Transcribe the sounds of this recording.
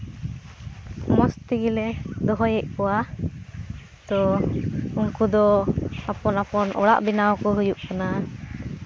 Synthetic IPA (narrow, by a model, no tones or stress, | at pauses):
mɔst̪iɡilɛd̪ɔɦɔjɛʔ̚kɔwa | t̪ɔ | uŋkud̪ɔapɔnapɔnɔ̰ɽa̰ʔbinawkɔɦujuʔkana